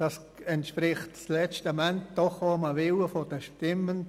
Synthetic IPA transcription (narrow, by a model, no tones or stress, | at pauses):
d̥ɑs | ɛntʃpɾɪχtt͡slɛt͡ʃtəmɛntd̥ɔχoməʋɪləfod̥əʃtɪmːən